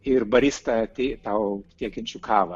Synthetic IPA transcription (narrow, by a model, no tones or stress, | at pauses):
ɪrbɐɾʲiːst̪ɐt̪ʲeːt̪ɐʊt̪ʲiɛkʲɪnʲt͡ʃʲukʰɑːʋɐ